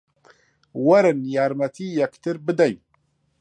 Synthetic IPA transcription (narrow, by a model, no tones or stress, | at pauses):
wæɾənjaɾˤmæt̪ijækt̪əɾbəd̪æj